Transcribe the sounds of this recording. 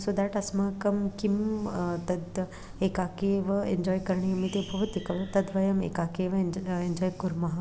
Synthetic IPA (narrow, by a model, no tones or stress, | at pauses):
sod̪aːʈɐsmakɐmkimt̪ɐd̪ | ekaːkeʋɐend͡ʒɔːjkɐɾɳiɐmit̪ebʱɐʋɐt̪ikɐʋɐt̪ɐd̪ʋɐjɐmḛkaːkeːʋɐend͡ʒɔːjkʊɾmɐɦa